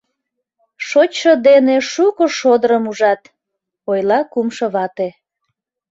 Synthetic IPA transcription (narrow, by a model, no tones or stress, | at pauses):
ʃot͡ɕʃod̪eneʃukoʃod̪əɾəmuʒɑt̪ | ojlɑkumʃoβɑt̪e